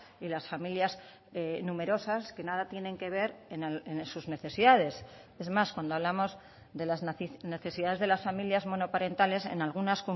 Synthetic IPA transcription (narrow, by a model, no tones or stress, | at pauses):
ilasfamiljaz | enũme̞ɾo̞saske̞naðat̪je̞ne̞ŋke̞β̞e̞ɾenlensuzneθe̞siðað̞e̞s | e̞zmaskwand̪oaβ̞lamo̞z | ðe̞lazne̞θe̞siðaðezðelasfamiljazmo̞no̞paɾe̞nt̪ale̞se̞̰nalɣ̞unasko